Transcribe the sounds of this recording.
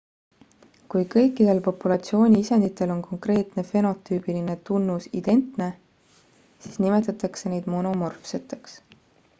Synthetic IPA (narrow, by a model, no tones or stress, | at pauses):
kujkɤjkːˑid̪̥e̞lpo̞pːulɑt̪sio̞ːnʲiisend̪it̪ːˑe̞lo̞nkʰo̞ŋkre̞ːt̪ne̞fe̞no̞t̪ːˑyːb̥iline̞t̪unːusid̪̥e̞nt̪ne̞ | siːsnime̞t̪ːˑɑt̪ːˑɑkse̞ne̞jd̪̥mo̞no̞mo̞rfset̪ːˑe̞ks